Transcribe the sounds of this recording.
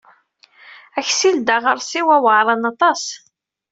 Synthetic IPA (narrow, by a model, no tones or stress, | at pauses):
æçsild̪aʁəɾˤsiwæwəʕɾˤɑnɑt̪ˤɑs